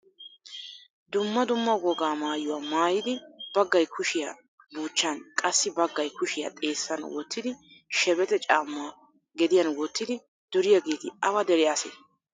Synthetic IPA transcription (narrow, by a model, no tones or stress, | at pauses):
d̪ʊmːɐd̪ʊmːɐɡɔɡaːmaːjʊwaːmaːjɪd̪ɪb̥ɐɡːɐjkʰʊʃɪja | buːt͡ʃːɐnkʼɐsːɪbɐɡːɐjkʊʃɪjɐ̰t̪ʼe̞ːsːɐnwɔ̰t̪ːɪd̪ɪʃɛbɛt̪ɛt͡ʃʼaːmːʊaː | ɡɛd̪ɪjɐnwɔt̪ːɪd̪ɪ | d̪̥ɔɾɪjaɡeːt̪ɪɐwɐd̪ɛɾɛjaːsḛ